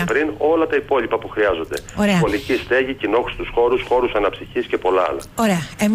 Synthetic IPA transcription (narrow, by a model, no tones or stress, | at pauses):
pɾino̞lɐt̪ɐipo̞lipɐpuxɾiɐzo̞nd̪e̞oɾeɐo̞licist̪e̞ʝicino̞xu̥st̪usxo̞ɾusxo̞ɾusɐnɐpsiçisce̞po̞lɐɐ̰lɐ̰oɾeɐem